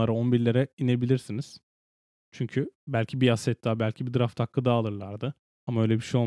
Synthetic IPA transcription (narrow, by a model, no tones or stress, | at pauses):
aɾaonbiɾlʲeɾɛine̞bilʲiɾsiniz̥ | t͡ʃʰyɲcʰybælʲcʰibiasɛt̪̚d̪aːbælʲcʰibid̪ɯɾaft̪ʰakːˠɯd̪aːlˠɯɾlˠaɾd̪ɯ | amaøjlʲebiʃejo̞lˠ